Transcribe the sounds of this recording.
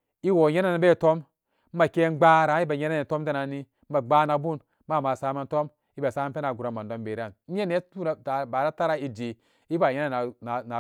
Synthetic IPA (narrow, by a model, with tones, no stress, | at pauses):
i˦wo˨ɲe˦na˦na˨˦be˦˨to˦m̩˦ | a˨ke˦ɡ͡ba˦ɾa˨˦i˦ba˨ɲe˦na˦ne˨to˦mda˦na˨ni˦ba˨ɡ͡ba˦na˨bu˦n | ma˦˨ma˨sa˦ma˦n˦to˦m | i˦ba˨sa˦ma˦pe˦na˨ɡu˨ɾa˨ma˨ndo˦mbe˨ɾa˦˨n˦e˦ne˦tu˦na˨ta˨ba˨ɾa˦ta˦ɾa˦i˦d͡ʒi˨ | i˦ba˨je˦na˨na˨na˨na˨